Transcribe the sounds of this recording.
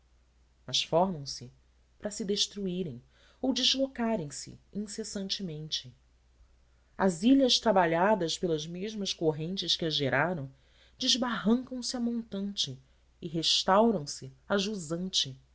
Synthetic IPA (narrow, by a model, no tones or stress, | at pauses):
mɐʃfɔɾmɐ̃w̃sɪ | pɾɐsɪd̪eʃt̪ɾuiɾẽj̃ | owd͡ʒɪʒlokaɾẽj̃sɪ̰ĩsesɐ̃nt͡ʃɪmẽnt͡ʃɪ | a̰ziʎɐʃt̪ɾabaʎad̪ɐspelɐzmeʒmɐskoɦẽnt͡ʃɪskɪɐʒeɾʔaɾɐ̃w̃ | d͡ʒɪzbaɦɐ̃ŋkɐ̃w̃sɪamõnt̪ɐ̃nt͡ʃɪː | ɦeʃt̪awɾɐ̃w̃sɪaʒuzɐ̃nt͡ʃɪ